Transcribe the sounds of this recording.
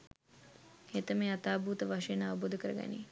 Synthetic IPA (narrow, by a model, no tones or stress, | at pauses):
het̪əmeːat̪aːbuːt̪əʋaʂəjenaʋuboːd̪əkəɾəɡæ̰nḭ